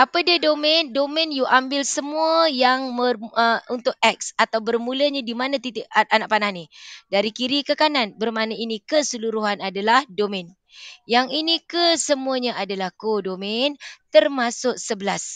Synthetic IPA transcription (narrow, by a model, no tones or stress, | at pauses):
ʔapədədomɛ̃ndomɛ̃njuʔambɪlsəmuəjaŋmərəunt̪ʊk̚ɛk̚sat̪awbərmũləɲadimanãt̪it̪ɪʔ̚anaʔ̚pananidaɾikiɾikəkananbərmanainikəsəluɾuɦanadalahdomɛ̃n | jaŋinikəsəmuəɲaʔadalahkodomɛnt̪ərmasʊk̚səbəlas